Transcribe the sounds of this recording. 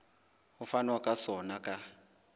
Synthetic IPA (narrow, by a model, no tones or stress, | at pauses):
ufanwakʼasɔnakʼa